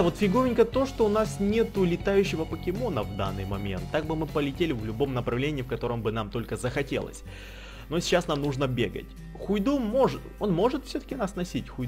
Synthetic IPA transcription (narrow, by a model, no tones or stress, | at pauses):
vo̞t̪fʲɪɡovʲɪnʲkət̪o̞ʂt̪o̞ʊnasnʲe̞t̪ʊlʲɪt̪ajʉɕːɪvəpəkʲɪmo̞nəvd̪a̰nːɨ̰jmɐmʲe̞̰nt̪ːaɡ̚bɨmɨpəlʲɪtʲelʲɪvlʲʊbo̞mnəpɾɐvlʲenʲɪːfkɐt̪o̞ɾəmbɨnamt̪o̞lʲkəzəxɐtʲe̞̰lˠə̰sʲ | no̞sʲɪ̥t͡ɕːasnamnuʐnəbʲe̞̰ɡə̰tʲ | xʊjd̪umo̞ʐɨt̪o̞nmo̞ʐɨt̪fsʲɵt̪ə̥kʲɪnasnɐsʲitʲxʊj